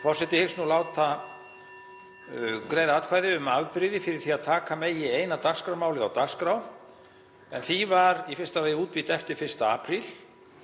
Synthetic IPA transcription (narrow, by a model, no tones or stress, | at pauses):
fɔr̥sɪt̪ɪhɪksnulaːwt̪a | kɾejðat̪̚kʰvajðɪʏmavpɾɪðɪfɪɾɪɾ̥θiaðt̪ʰaːkameːjɪeːjnat̪arskɾawmaːwlɪðawt̪ar̥skɾaw | ɛnθivaɾifɪr̥st̪aveːjɪuːt̪̚pit̪ɛft̪ɪɾfɪr̥st̪aaːpɾil